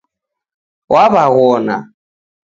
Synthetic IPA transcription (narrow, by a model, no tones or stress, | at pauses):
wʔaβaɣɔna̰